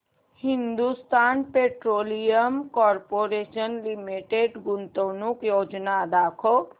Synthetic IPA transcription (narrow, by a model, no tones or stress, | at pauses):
hind̪ust̪anpeʈɾolijəmkɔɾpoɾesənlimiʈeɖɡunt̪ənukjod͡ʒnad̪akʰo